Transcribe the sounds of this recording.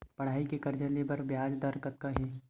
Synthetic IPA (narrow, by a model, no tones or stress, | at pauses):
pɐɽ̤aːikekɐɾd͡ʒalebɐɾbjaːd͡ʒd̪ɐɾkɐt̪̚kaɦeː